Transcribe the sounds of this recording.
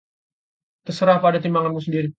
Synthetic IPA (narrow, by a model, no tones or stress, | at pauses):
t̪əsəɾahpadat̪imbaŋanmusəndiɾi